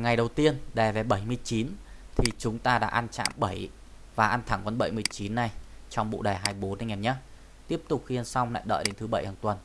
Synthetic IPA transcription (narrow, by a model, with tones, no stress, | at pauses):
ŋa˨˩jɗə˨˩wt̪i˧ənɗɛ˨˩ve˨˩ɓə˧˩jmɨ˧əjt͡ɕi˨˦nt̪ʰi˨˩t͡ɕʊ˨˦ŋ͡mt̪aː˧ɗa̰ː˧˥ʔa˧nt͡ɕa̰ː˧˨mɓə˧˩j | vaː˨˩ʔa˧nt̪ʰa˧˩ŋkɔ˧nɓə̰˧˩jmɨ˨˩əjt͡ɕi˨˦nːa˨˩jt͡ɕɔ˧wŋ͡mɓṵ˧˨ɗɛː˨˩ɦaː˧jɓo˨˦nːa˧ŋɛ˨˩ɲə˦˥t̚ | t̪i˦˥əp̚t̪ʊ˨˩k͡p̚hi˧ənsa˧wŋ͡mla̰ː˧˨jɗə̰ː˧˨jɗe˨˦nt̪ʰɓə˧˩jhaː˨˩ŋt̪wə˨˩n